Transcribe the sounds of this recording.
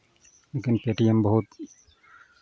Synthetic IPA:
leːkɪnpeːʈijəmbəɦʊt̪

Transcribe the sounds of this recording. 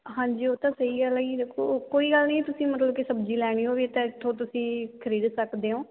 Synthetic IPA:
ɦãːɲd͡ʒiːoːt̪ãːsəiːɡəlaiːd̪ekʰoːkoːiːɡəlnəĩːt̪ʊsĩːmət̪ləb̚kisəbd͡ʒiːlɛːɽ̃iːɦoːʋiːt̪ẽːɪt̪ʰːõːt̪ʊsĩːkʰəɾiːd̪səkd̪eːõː

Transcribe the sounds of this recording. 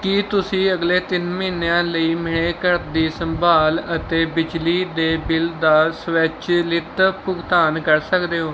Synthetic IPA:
kit̪ʊsĩːəɡleːt̪ɪnməiːnjãːləiːmɪɽ̃eːkəɾt̪d̪iːsəmbʱaːlət̪eːbɪd͡ʒliːd̪eːbɪld̪aːsʋɛːt͡ʃlɪt̪pʊɡt̪aːnkəɾsəkd̪eːɦoː

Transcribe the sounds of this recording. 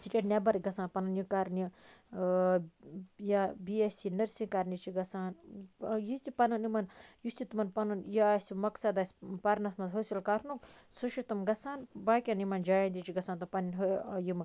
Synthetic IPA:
siʈeʈnʲebɐɾɡɐsaːnpɐnɐnjikaɾnʲi | jabiesinɐɾsĩnkaɾnit͡ʃʰiɡɐsaːnjit̪ipɐnɐnimɐnjust̪it̪umɐnpɐnunjasimɐksɐd̪ɐsʲpɐɾnɐsmɐnzɦosilkaɾnuk | suʃit̪umɡɐsaːnbaːkʲɐnimɐnd͡ʒaːjand̪ʲit͡ʃʰiɡɐsaːnt̪umpɐninɦojim

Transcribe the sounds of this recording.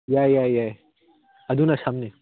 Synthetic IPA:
jaːjaːjaːj | ɐd̪unɐsaːmne

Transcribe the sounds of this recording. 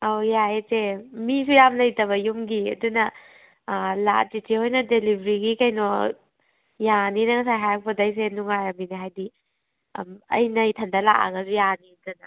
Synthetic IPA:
awjaet͡ʃemisujamlɐjtɐβɐjumɡiɐ̰dunɐ | la̰titʰihojnɐdelibɾiɡikɐjno | janinɐŋɐs̬ajɦajɐk̚pʰɐdɐjs̬enuŋajɐbiniɦajdḭ | mɐ̰jnɐjtʰɐndɐla̰ʔa̰ɡɐsujaniɐdunɐ

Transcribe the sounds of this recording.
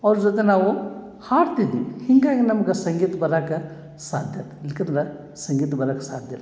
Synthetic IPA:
ɔːɾd͡ʒɐt̪̬enaʋo | haːɾt̪id̪ḭhɪŋɡakenɐmkɐsɐ̃ŋɡiːt̪bɐɾakɐ | saːd̪ʱjɐt̪lɪkinɾa | sɐ̃ŋɡiːt̪bɐɾakɐsa̰ːd̪ʱjəl

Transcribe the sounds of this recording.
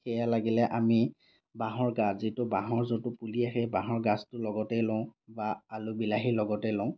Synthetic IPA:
xɛjalaɡilɛʔami | baɦɔɹɡaszitʊbaɦɔɹzotʊpuliaxɛbaɦɔɹɡastʊlɔɡɔtɛlɔ̃ʊ̃baːlʊbilaɦilɔɡɔtɛjlɔ̃ʊ̃

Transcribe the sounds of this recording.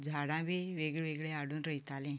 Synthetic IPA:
d͡zʱaɽãʋeʋeɡɭʋeɡɭeaɽuːnɾəɦit̪alɛ̃

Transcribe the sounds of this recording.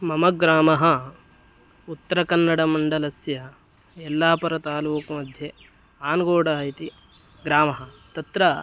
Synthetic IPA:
mɐmɐɡɾaːmɐɦɐ | ut̪ːɐɾɐkɐnːɐɽɐmɐɳɖɐlɐsjɐ | ɛlːaːpɐɾɐt̪aːluːkɐmɐd̪ʱjɐ | aːnɡoːɽɐɐit̪i | ɡɾaːmɐɦɐ̆t̪ɐt̪ɾɐ

